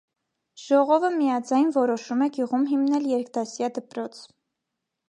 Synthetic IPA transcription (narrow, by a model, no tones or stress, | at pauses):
ʒ̥ɔʁɔvəmijɑd͡zɑjnvɔɾɔʃumɛɡjuʁumɦimnɛljɛɾkt̪ɑsjɑd̪əpɾɔt͡sʰ